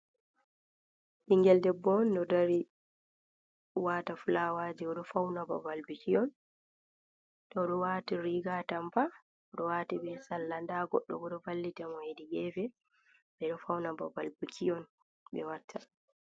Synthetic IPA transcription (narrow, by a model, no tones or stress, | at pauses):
ʔiŋɡɛldɛbɔndɔdaɾi | watafulawad͡ʒiɔɗɔfawnaba̰valbukijɔn | ɗɔɗɔwatiɾiɡatampa | ɔɗɔwatiɓɛsalːandaɡɔɗːɔ̰ɡɔɗɔvalːitamɔhediɡɛvɛ | bɛɗɔfawnabɔ̰balbukiɔn | ɓɛ̰watʰːa